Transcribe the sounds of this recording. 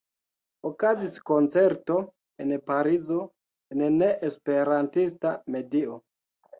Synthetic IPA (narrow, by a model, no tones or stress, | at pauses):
okazisko̞nt͡se̞ɾto̞ | enpaɾizo̞ | enne̞ʔespe̞ɾantistame̞dio